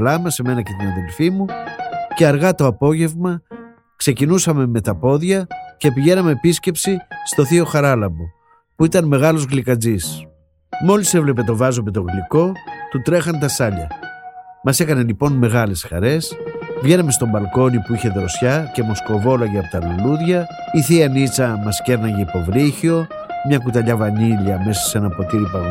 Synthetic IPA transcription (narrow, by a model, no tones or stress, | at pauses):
lɐmɐse̞me̞nɐce̞t̪inɐðe̞lfimuce̞ɐɾɣɐt̪o̞ɐpo̞ʝe̞vmɐ | kse̞cinusɐme̞me̞t̪ɐpo̞ðʝɐce̞piʝe̞nɐmeːpisce̞psist̪o̞θio̞xɐɾɐlɐbo̞ | puit̪ɐnme̞ɣɐlo̞zɣlikɐd͡zis | mo̞lise̞vle̞pe̞t̪o̞vɐzo̞me̞t̪o̞ɣliko̞t̪ut̪ɾe̞xɐnt̪ɐsɐʎɐ̰ | mɐse̞kɐne̞lipo̞nme̞ɣɐle̞sxɐ̰ɾe̞svʝe̞nɐme̞st̪o̞mbɐlko̞nipuiçe̞ðɾo̞sçɐce̞mo̞sko̞vo̞lɐʝeɐpot̪ɐluluðʝɐ | iθiɐnit͡sɐmɐsce̞ɾnɐʝeipo̞vɾiçio̞ | mɲɐkut̪ɐʎɐvɐniʎɐme̞sɐ̥se̞nɐpo̞t̪iɾipɐɣ